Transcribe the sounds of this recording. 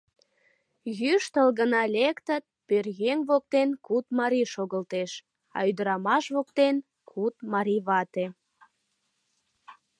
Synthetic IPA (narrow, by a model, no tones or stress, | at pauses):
jyʃt̪əlɣənɑlʲekt̪ət̪̚pørɣeŋβok̚t̪enkut̪̚mɑɾiʃoɣəlt̪eʃ | ɑ̰yd̪əɾɑmɑʃβok̚t̪en | kʰut̪̚mɑɾiβɑt̪e